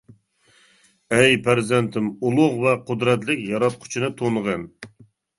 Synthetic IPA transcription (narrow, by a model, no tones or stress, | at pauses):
ɛjpʰæɾzɛnt̪ʰɪmulˠʊʁvɛqʰʊd̪ɾɛt̪lɪkʲjɑɾɑt̪̚qʰʊ̥t͡ʃʰinɨt̪ʰonʁən